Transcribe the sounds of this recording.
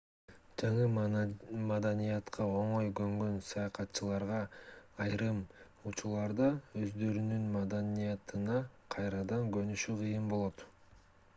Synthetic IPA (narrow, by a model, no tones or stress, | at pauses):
d͡ʒɑɴɯ | mɑd̪ɑnijɑt̪qʰɑo̞ɴo̞jɡøŋɡø̞nsɑjɑqɑt̪ːt͡ʃɯlˠɑɾʁɑːjɾɯm | ut͡ʃulˠɑɾd̪ɑø̞zd̪ø̞ɾynynmɑd̪ɑnijɑt̪ɯnɑqʰɑjɾɑd̪ɑŋɡønyʃyqʰɯjɯmbo̞lˠo̞t̪